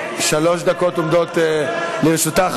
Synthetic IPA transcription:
ʃalo̞ʃd̪akotomd̪oteliʁʃut̪a

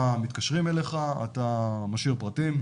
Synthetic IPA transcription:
amit̪̚kaʃʁimeleχaa̰t̪amaʃiʁpʁatim

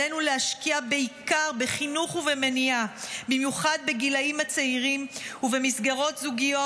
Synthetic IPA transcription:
enulehaʃkiabeikaʁbeχinuχuvemeniabimjuχad̚be̞ɡilaimat͡seiʁimuve̞misɡaʁo̞tzuɡijo̞

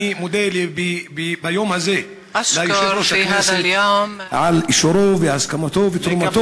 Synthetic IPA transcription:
imod̪elbibajomhaze | laiʃloʃakas | ʕaliʃoɾoveʕaskamat̪ovet̪ɾumat̪o

